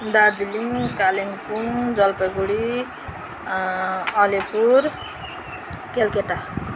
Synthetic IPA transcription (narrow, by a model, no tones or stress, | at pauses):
d̪ad͡ziliŋkaleŋpund͡zʌlpʌɡuɽi | ʌlipuɾ | kelkeʈa